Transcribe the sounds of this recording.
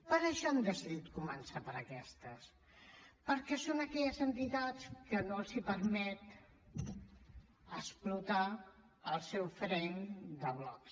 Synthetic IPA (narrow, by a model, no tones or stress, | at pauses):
pəɾəʃɔəmd̪əsiðit̪̚kumənsapəɾəkɛst̪əs | pəɾkɛsonəkɛʎəzənt̪it̪at͡skənozipəɾmɛt̪ | əsplut̪a | əlˠsɛwfɾɛnd̪əβlɔks